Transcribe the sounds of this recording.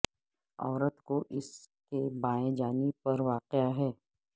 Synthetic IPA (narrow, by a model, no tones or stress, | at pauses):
ɔːɾət̪koʔɪskebãːẽd͡ʒaːnipɐɾʋaːqɪaɦɛː